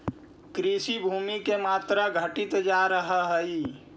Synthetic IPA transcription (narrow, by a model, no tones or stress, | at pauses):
kɾiːsibʱuːmikemaːt̪ɾaɡʱəʈɪt̪d͡ʒaːɾəɦəɦəi